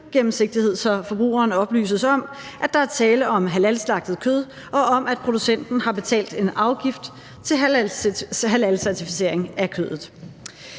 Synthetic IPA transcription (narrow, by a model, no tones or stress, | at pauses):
ɡ̥emm̩se̝ɡ̥̚d̥ihe̝ð̰ˠsɒfɒ̽b̥ʁṵːɐːnɒ̽b̥ly̰ːsəsɒ̽m | ʔæd̥ɑ̈æɐt͡sʰɛːləɒ̽mɦælælslɑ̈ɡ̥̚d̥ð̩ˠkʰøð̞ˠ | ʔɒ̽ʔɒ̽mæd̥̚pʰʁo̝d̥usen̰d̥n̩hɑ̈b̥e̝t͡sʰɛ̰ːld̥e̝nɑ̈ʊɡ̥ifd̥ | t͡sʰe̝ | ɦælælsæɐt͡sʰifi̥se̝̰ɐ̰e̝ŋækʰøːðˠð̩ˠ